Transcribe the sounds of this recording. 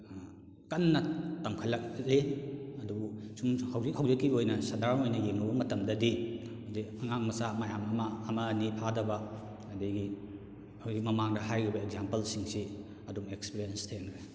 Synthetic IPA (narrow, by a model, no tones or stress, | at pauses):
kɐnːɐtɐmkʰɐlːɐk̚ɾeɐdubusumhawzik̚hɐwzikːiojnɐsɐdaɾnojnɐjeŋnɐbɐmɐtɐmdɐdi | hawzikɐŋaŋmɐsamɐjamɐmaːmɐːnipʰadɐbɐ | ɐdɐjɡi | hawzik̚mɐmaŋdɐɦajɾibɐeɡzampɐlsiŋsi | ɐduŋekspiɾijenstʰenɾe